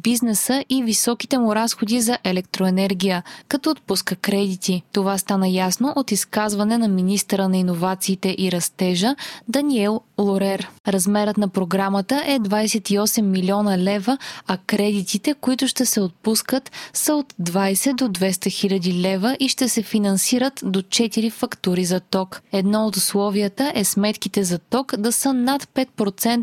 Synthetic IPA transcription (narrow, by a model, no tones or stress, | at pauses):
biznɛsəʔivisɔki̥t̪ɛmuɾasxod̪izɐʔɛlɛk̚t̪ɾoɛnɛɾɡʲijəkɐt̪ɔːt̪̚puskəkɾɛd̪it̪it̪ovast̪anəjasnoʔot̪iskazvɐnɛnɐminist̪əɾənɐinovat̪siːt̪ɛʔiɾɐst̪ɛʒəd̪ɐniɛlˠlˠoɾɛɾɾɐzmɛɾət̪nɐpɾoɡɾamət̪əʔɛd̪vajsɛt̪iɔsɛmːilʲiɔnəlɛvəɐkɾɛd̪it̪it̪ɛkoit̪ʊʃt̪ɛsɛot̪̚puskət̪səot̪d̪vajsɛd̪od̪vɛst̪ɐxilʲɐd̪ilɛvəʔiʃt̪ɛsɛfinɐnsiɾət̪d̪ot͡ʃɛt̪iɾifɐkt̪uɾizɐt̪ɔkɛd̪nɔot̪ʊslˠɔviət̪əʔɛsmɛt̪kit̪ɛzɐt̪ɔkd̪ɐsənat̪pɛt̪̚pɾot̪sɛnt̪